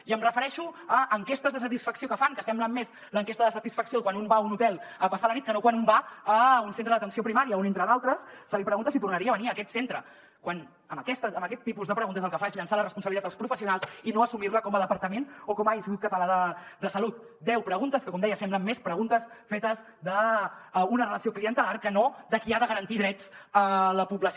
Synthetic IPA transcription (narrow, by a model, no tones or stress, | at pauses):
iəmrəfəɾɛʃuəʔəŋkest̪əzðəs̬ət̪isfəksiokəfaŋkəsɛmbləmːes | ləŋkest̪əðəsət̪isfəksijokwanumbaunut̪ɛlˠəpəsalənit̪̚kənokwanumbaəunsent̪ɾəðət̪ənsiopɾimaɾiəunent̪ɾəðalˠt̪ɾəsːəlipɾəɣunt̪əsit̪urnəɾiəβəniəːkɛt̪sent̪ɾə | kwan | əməkɛst̪əːmbəkɛt̪ːipuzðəpɾəɣunt̪əzəlˠkəfaezʎənsalərəspunsəβlit̪at̪lˠspɾufəsiunalˠzinoəsumiɾləkɔmələpəɾt̪əmenokɔmajisiɣut̪̚kət̪əlaðəd̪əsəlut̪̚ | d̪ɛwpɾəɣunt̪əskəkɔmd̪ɛjəsɛmbləmːespɾəɣunt̪əsfet̪əz | ðə | unərələsiokliənt̪əlarkənoðəkiaðəɣəɾənt̪iðɾɛt͡sələpuβləs